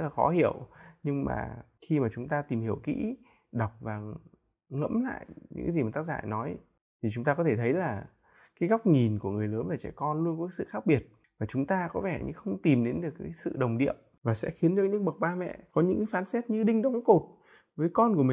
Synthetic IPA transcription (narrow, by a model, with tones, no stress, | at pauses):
laː˨˩xɔ̰˨˦hḭ˧˨əwɲɨ˧ŋma̰ː˨˩ | xi˧maː˨˩t͡ɕʊ˨˦ŋ͡mt̪aː˧t̪i˨˩mhi˧˩əwkḭ˧˥ | ɗa˨˩wk͡p̚vaː˨˩ | ŋə̰˧˥mla̰ː˧˨jɲɨ̰˧˥ŋka˨˦zi˨˩maː˨˩t̪a˦˥k̚za̰ː˧˨jnɔ˨˦j | t̪ʰi˨˩t͡ɕʊ˨˦ŋ͡mt̪aː˧kɔ˨˦t̪ʰe˧˩t̪ʰə˨˦jlaː˨˩ | kaː˨˦jɣa˦˥wk͡p̚ɲi˨˩nku˧˩əŋɨ˨˩əjləː˨˦nvaː˨˩t͡ɕɛ̰˧˩kɔ˧nlu˧ənkɔ˨˦ka˨˦sɨ̰˧˨xaː˦˥k̚ɓi˨˩ət̚ | vaː˨˩t͡ɕʊ˨˦ŋ͡mt̪aː˧kɔ˨˦vɛ˧˩ɲɨ̰˧xə˧wŋ͡mt̪i˨˩mɗe˨˦nɗɨ˨˩ək̚ːaː˨˦jsɨ̰˧˨ɗə˨˩wŋ͡mɗḭ˧˨əm | vaː˨˩sɛ̰˧˥xi˨˦ənɗɨ˨˩ək̚ɲɨ̰˧˥ŋɓə˨˩k̚ɓaː˧mɛ̰˧˨kɔ˨˦ɲɨ̰˧˥ŋkaː˨˦jfaː˨˦nsɛ˦˥t̚ɲɨ˧ɗï˧ŋ̟ɗə˨˦ŋ͡mko˨˩t̚ | vəː˨˦jkɔ˧nku˧˩əmï˨